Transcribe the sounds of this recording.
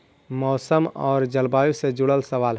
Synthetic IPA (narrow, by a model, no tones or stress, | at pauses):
mɔːsəmɔ̰ːɾd͡ʒəlbajusẽd͡ʒuɽəlsəʋal